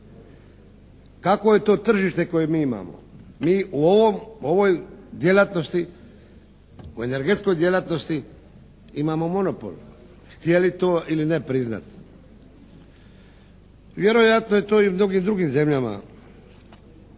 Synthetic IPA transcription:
kako̞je̞t̪o̞ːt̪r̩ʒiʃt̪e̞ko̞jemiːima̰ːmo̞̰miːuoʋomoʋojd̪je̞lat̪no̞st̪i | ue̞ne̞ɾɡet̪sko̞jd̪je̞lat̪no̞st̪i | imaːmo̞mo̞no̞po̰l | xt̪je̞lit̪o̞ːʔiline̞pɾizna̰t̪ | ʋje̞ɾo̞jat̪noje̞t̪o̞ːiumno̞ɡiːmd̪ɾuɡiːmze̞mʎama̰

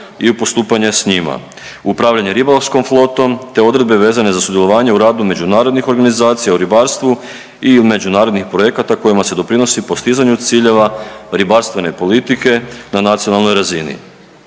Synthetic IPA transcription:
iupo̞st̪uːpaɲe̞sɲima̰ | upɾaːʋʎaɲe̞ɾibalofsko̞mflˠo̞t̪o̞mt̪e̞o̞d̪ɾed̪be̞ʋe̞ːzane̞zasud̪jelo̞ʋaːɲe̞uɾaːd̪ume̞d͡ʑunaːɾo̞d̪nixo̞ɾɡanizaːt̪sijauɾibaɾst̪ʋu | ime̞d͡ʒunaːɾod̪nixpɾoje̞kat̪ako̞jimase̞d̪o̞pɾino̞sipo̞st̪izaɲut̪siːʎe̞ʋaɾibaɾst̪ʋe̞ne̞po̞lit̪ike̞nanat̪sio̞nalno̞jɾazinḭ

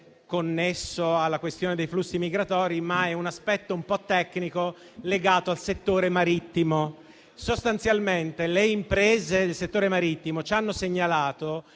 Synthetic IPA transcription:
konːesːoalːakwest̪joːned̪ejflusːimiɡɾat̪ɔːɾimaɛunaspɛt̪ːoumpɔt̪ːɛkːniko | leɡaːt̪oalset̪ːoːɾemaɾit̪ːimo | sost̪ant̪sjalment̪eleimpɾeːzed̪elset̪ːoːɾemaɾit̪ːimot͡ʃanːoseɲːalaːt̪o

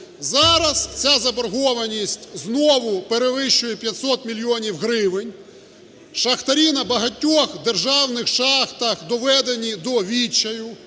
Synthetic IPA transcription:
zɑɾɐst͡sʲazɐbɔrɦɔʋɐnʲisʲtʲznɔʋʊpeɾeʋɪʃt͡ʃʊjɛpʲjɐt̪ʲsɔt̪mʲilʲjɔnʲiwɦɾɪʋɪnʲ | ʃɐxt̪ɐɾʲinɐbɐɦɐtʲːɔxd̪e̞rʒɑwnɪxʃɑxt̪ɐxd̪ɔʋɛd̪enʲid̪ɔʋʲit͡ʃːɐjʊ

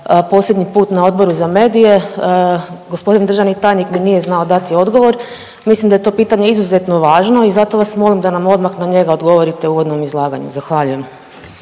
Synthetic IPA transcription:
po̞slʲje̞d̪ɲipuːt̪nao̞d̪̚bo̞ɾuzame̞ːd̪ije̞ | ɡospo̞d̪ind̪ɾ̩ʒaʋnit̪aːjnikminije̞znao̞d̪at̪io̞d̪ɡo̞ʋo̞ɾ | mislimd̪ajt̪o̞piːt̪aɲeizuze̞t̪no̞ʋaːʒno̞izat̪o̞ʋasmo̞limd̪anamo̞d̪maxnaɲe̞ɡaod̪ɡo̞ʋo̞ɾit̪e̞uːʋo̞d̪no̞mizlˠaːɡaɲṵzaxʋaʎuje̞m

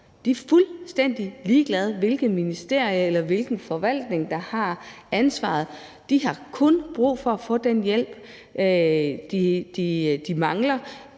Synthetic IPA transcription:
d̥iɐfulsd̥en̰d̥iliːɡ̥lɛð̞ˠʋe̝lɡ̥ð̩ˠminisd̥e̝ɐ̰iəelɐʋe̝lɡ̥n̩fɒ̽ʋæl̰d̥ne̝ŋd̥ɑ̈hɑ̈ænsʋɑ̰̈ð̞̩ˠ | d̥iɦɑ̈kʰɔ̽nb̥ʁṵːfɒ̽æfɔ̽ːd̥enjel̰b̥ | d̥id̥id̥imɑ̈ŋlɐ

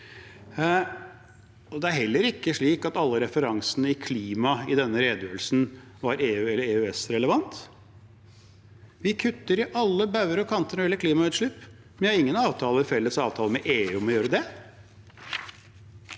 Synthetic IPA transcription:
ɔd̪ɛæɾhɛlːəɾɪkːəʂɭiːkɑt̪ɑlːəɾɛfəɾɑŋsənəɪkʰliːmɑɪd̪ɛnːəɾeːd̪jøːɾəlsn̩ | ʋɑɾeːʉːɛlːəɾeːʉɛsɾɛləʋɑnt̪ | ʋɪkʰʉt̪ːəɾɪʔɑlːəbɑʉəɾɔkʰɑnt̪ənɳɔɾjɛlːəkʰliːmɑʉːt̪ʂɭʉp | mɛnjæhɑɾɪŋːənɑːʋt̪ʰɑːləɪfɛlːəsɑːʋt̪ʰɑːləmɛʔeːʉːmɔjøːɾəd̪ɛ

